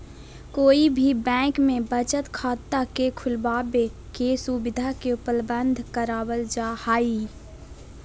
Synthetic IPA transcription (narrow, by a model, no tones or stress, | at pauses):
koːibʱibɛ̃ːkmẽbət͡ʃət̪kʰaːt̪ːakekʰʊlbaːbe | kesubɪd̪ʱakepəlbənd̪ʱkəɾaːwəld͡ʒaːhaːi